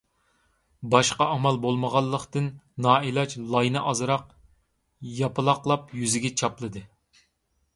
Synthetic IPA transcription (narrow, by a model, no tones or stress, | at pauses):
bɑʃqɑʔɑmɑlˠbolˠməʁɑlˠːəχt̪ɨnnɑːilˠɑt͡ʃlˠɑjnɨʔɑzɨɾɑq | jɑpɨlˠɑqlˠɑpjyzɪɡʲɛt͡ʃʰɑplˠɨd̪ɨ